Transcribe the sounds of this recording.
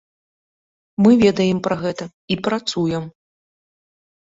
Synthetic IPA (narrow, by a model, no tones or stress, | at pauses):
mɨvʲɛd̪ɐjɛmpɾɐɣɛt̪ɐ | ipɾat̪sujɛm